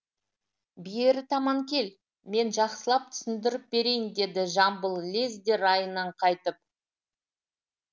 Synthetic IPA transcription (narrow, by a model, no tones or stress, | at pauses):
bijeɾɪt̪ʰɑmɑŋkʲʰe̞l | me̞nʒɑqsəlˠɑp̚t̪ʰʏ̥sɪnd̪ɪɾɪp̚be̞ɾe̞jɪnd̪e̞d̪ɪʒɑmbəlˠlʲezd̪e̞ɾɑjənɑɴqʰɑjt̪əp̚